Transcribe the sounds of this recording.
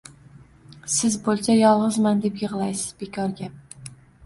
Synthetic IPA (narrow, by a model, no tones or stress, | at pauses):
sɪzbolˠsajɒlˠʁɨzmand̪e̞pjɨʁlˠajsɪ̥z̥bekʰɒɾɡʲa